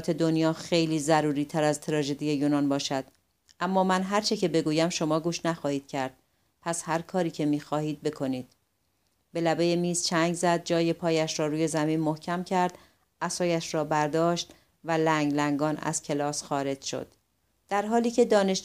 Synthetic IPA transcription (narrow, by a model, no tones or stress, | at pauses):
t̪ʰe̞d̪o̞njɒːxe̞jliːzæɾuːɾiːt̪ʰæɾæzt̪ʰeɾɒːʒe̞d̪ije̞juːnɒːnbɒːʃæd̪̥ | ʔæmːɒːmænɦæɾt͡ʃʰe̞cʰe̞be̞ɡuːjæmʃo̞mɒːɡuːʃnæxɒːhiːd̪̥̚cʰæɾd̪̥̚ | pʰæshæɾkʰɒːɾiːcʰe̞miːxɒːhiːd̪̚be̞kʰo̞niːd̪̥ | be̞læbe̞jemiːz̥t͡ʃʰæŋɡzæd̪̚d͡ʒɒːje̞pʰɒːjæʃɾɒːɾuːje̞zæmiːnmohcʰæmcʰæɾd̪̥ | ʔæsɒːjæʃɾɒːbæɾd̪ɒːʃt̪ | vælæŋɡlæŋɡɒːnæ̰z̥cʰe̞lɒːsxɒːɾe̞d͡ʒʃo̰d̪̥ː | æɾɦɒːliːcʰe̞d̪ɒːne̞ʃ